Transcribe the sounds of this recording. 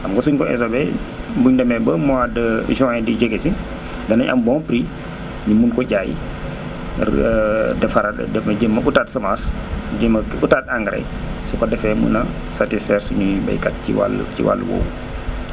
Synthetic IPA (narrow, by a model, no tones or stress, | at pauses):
ʔamɡɔsuɲkɔɛ̰sobɛ̰ | buɲdɐmɛbəmɔadʒɔŋɛdid͡ʒɛɡesi | dɐnɐɲʔɐ̰mbɔŋpɾi | ɲimunkɔɟaːjḭ | dɛfaɾa̰dɛmɐd͡ʒəmːɐʔutaːtsɐmasd͡ʒəmɐutataŋɡɾɛ̰ | sɔkɔdɛfɛmṵnɐ | satisfɛɾsuɲubɐ̰jkatiwa̰lt͡ʃḭwa̰lːwɔ̰ːw